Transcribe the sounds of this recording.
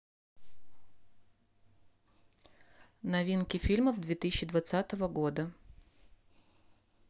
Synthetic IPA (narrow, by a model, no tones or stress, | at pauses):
nɐvʲinkʲɪfʲilʲməvd̪vʲet̪ɨsʲɪɕːɪd̪vɐt̪sat̪əvəɡo̞d̪ə